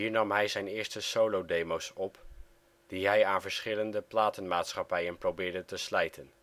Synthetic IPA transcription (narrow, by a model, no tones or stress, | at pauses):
iːɹnɑmɦɛjzɛjnɪːɹstəsowlowdejmowsɔp | d̥iɦɛjaːnvəɹsχɪləndəplaːtənmaːtsχɑpɛjənprowbɪːɹdətəslɛjtʰən